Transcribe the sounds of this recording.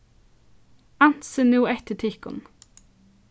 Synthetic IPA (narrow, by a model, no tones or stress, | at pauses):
ɑnt̪sənuːɛt̪ətʰɪkɔ̰n